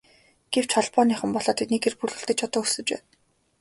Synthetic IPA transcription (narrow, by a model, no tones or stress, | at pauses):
ɡ̥ew̥t͡ɕʰɔɮpɔːniːχə̆mpɔɮɔːt̪ʰet̪nekerpuɮɵ̆ɬt̪ɘ̆t͡ɕʰɔt̪ɔːusɘ̆t͡ɕpæ̰ːn